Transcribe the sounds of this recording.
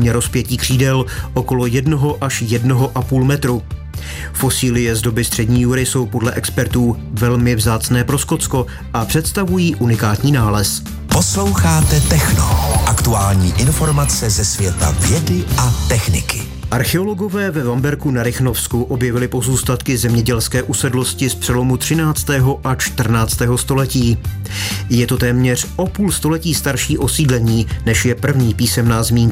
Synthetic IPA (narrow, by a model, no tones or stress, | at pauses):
ɲɛɾo̞spjɛciːkr̝̥iːdɛlʔoko̞lo̞jɛdno̞ɦo̞ʔaʃjɛdno̞ɦo̞ʔapuːlmɛt̪ɾu | fo̞siːlɪjɛzdo̞bɪst̪r̥ɛdɲiːjuɾɪso̞wpo̞dlɛʔɛkspɛɾt̪uː | vɛlmɪvzaːt͡snɛːpɾo̞sko̞t̪t͡sko̞ | ʔapr̝̥ɛt̪st̪avujiːʔunɪkaːt̪ɲiːnaːlɛs | poslo̞wxaːt̪ɛt̪ɛxno̰ʔakt̪uaːlɲiːʔɪnfo̞ɾmat͡sɛzɛsvjɛt̪a̰vjɛdɪʔat̪ɛxnɪkɪ | ʔaɾxɛo̞lo̞ɡo̞vɛːvɛvambɛɾkunaɾɪxnofskuʔo̞bjɛvɪlɪpo̞zuːst̪at̪kɪzɛmɲɛɟɛlskɛːʔusɛdlo̞scɪspr̥ɛlo̞mut̪r̝̥ɪnaːt͡st̪ɛːɦo̞ʔat͡ʃt̪r̩naːt͡st̪ɛːɦo̞st̪o̞lɛciː | jɛt̪o̞t̪ɛːmɲɛr̝ʔo̞puːlst̪o̞lɛciːst̪aɾʃiːʔo̞siːdlɛɲiːnɛʃjɛpr̩vɲiːpiːsɛmnaːzmiːŋ